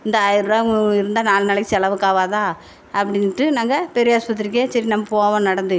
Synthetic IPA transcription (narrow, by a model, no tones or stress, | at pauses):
ɪnd̪ɐjɪɾɾaːɪɾɯnd̪aːnaːlnɐlɐkːɪt͡ʃːɐlɐʋɯkaːʋaːðãː | ɐpːɐɽɪnːɪʈːɯnaːŋɡɐpɛɾɪjɐɐspɐt̪ːɪɾk̬ːeːsɐɾinɐmːɐpoːɐʋɐ̃nɐɽɐnd̪ɯ